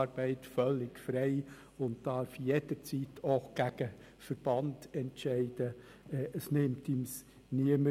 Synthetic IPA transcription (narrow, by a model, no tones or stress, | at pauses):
ɾb̥ɛɪtfœlːɪɡfɾɛɪ | ʊnt̚d̥ɑːɾfjed̥əɾt͡sitʰoxɡ̥æɡ̥ə | fəɾb̥ɑndɛntt͡ʃɛɪd̥ə | ɛʔəsnɪmtims | niəmə